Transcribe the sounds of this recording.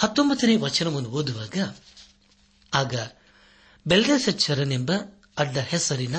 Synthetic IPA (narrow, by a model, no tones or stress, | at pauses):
hɐt̪ːombɐt̪ːɐneːʋɐt͡ʃːɐnɐmund̪uoːd̪uʋaːɡɐ | aːɡɐ | belɖɐnsɐt͡ʃːɐɾɐnembɐ | ɐɖːɐhesɐɾinɐ